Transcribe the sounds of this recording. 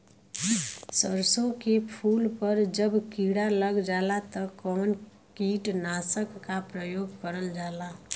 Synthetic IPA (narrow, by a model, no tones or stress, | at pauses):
səɾsõkepʰulpəɾd͡ʒəbkiɽaləɡd͡ʒalat̪ʌkɔn | kiʈnasəkːapɾəjoɡkəɾəld͡ʒala